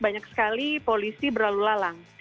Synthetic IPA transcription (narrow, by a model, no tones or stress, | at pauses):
baɲaksə̥kalipolisibərɾlalulalaŋ